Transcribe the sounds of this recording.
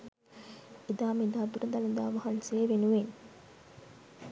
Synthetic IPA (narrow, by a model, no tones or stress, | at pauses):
id̪aːmed̪aːd̪uɾɐd̪ɐlɐd̪aːʋɐɦɐnseːʋenuʋen